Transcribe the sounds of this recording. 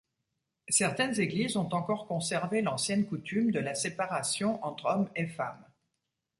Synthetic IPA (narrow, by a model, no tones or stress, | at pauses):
sɛʁt̪ɛnzeɡlizɔ̃t̪ɑ̃kɔʁkɔ̃sɛʁvelɑ̃sjɛnkut̪ymd̪əlasepaʁasjɔ̃ʔɑ̃t̪χɔmefam